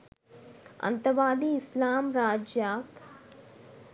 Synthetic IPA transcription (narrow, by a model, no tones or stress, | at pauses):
ɐ̰nt̪əɾbaːd̪iːɪslaːmɾaːd͡ʒjaːk